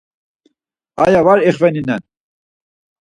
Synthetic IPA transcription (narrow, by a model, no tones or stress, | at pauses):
a̰javaɾɛχvɛninɛn